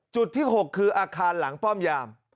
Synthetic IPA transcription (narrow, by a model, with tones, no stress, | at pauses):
t͡ɕu˨˩t̪ʰːiː˥˩ɦo˨˩kʰːɯː˧ʔaː˧kʰaː˧nla˩˦ŋpɔː˥˩mjaː˧m